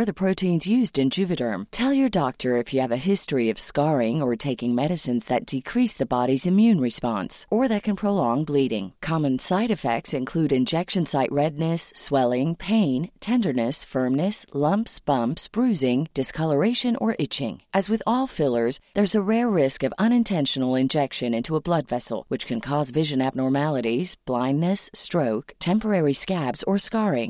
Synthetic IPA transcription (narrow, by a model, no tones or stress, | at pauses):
ə˞ðɨpʰɹ̥oʊɾʰĩnzjʉzdɨ̃nd͡ʒʉvɨɾə̰̃˞mtʰɛlˠjə˞dɑk̚tʰə˞ɨfjɨːvɨɦɪstɹ̥iʌv̥skɑɹɪ̃ŋə˞tʰeɪkɪ̃ŋmɛɾɨsɨ̃nzðɨt̚d̥ɨkʰɹ̥isðɨbɑɾizɨ̃mjʉ̃nɹɨspɑ̰̃nsə˞ðɨt̚kʰɨ̃npʰɹ̥oʊlɔ̃ŋbliɾɪ̰̃ŋkʰɑmɨ̃nsaɪɾɨfɛ̰k̚tsɨ̃nkʰl̥ʉɾɨ̃nd͡ʒɛkʃɨ̃nsaɪʔɹɛdⁿnɨswɛlˠɪ̃ŋpʰẽɪ̃ntʰɛ̃ndə˞nɨsfɜ̃˞mnɨslʌ̃mpsb̥ʌ̃mpsb̥ɹʉzɪ̃ŋd̥ɨskʰʌlˠə˞eɪʃɨ̃nə̰˞ʔɪt͡ʃɪ̰̃ŋʔɨzwɨðɔlˠfɪlˠə˞zðə˞zəɹɛɹːɪskʌvʌ̃ñɨ̃ntʰɛ̃nʃn̩l̩ˠɪ̃nd͡ʒɛkʃɨ̃nɪ̃ntʰuəblʌdvɛsl̩ˠwɨt͡ʃkʰɨ̃nkʰɔzvɪʒɨ̃næb̚nɔɹmælˠəɾiz̥b̥lãɪ̃nːɨstɹ̥oʊktʰɛ̃mpə˞ɛɹiskæbz̥ə˞skɑɹɪ̰̃ŋ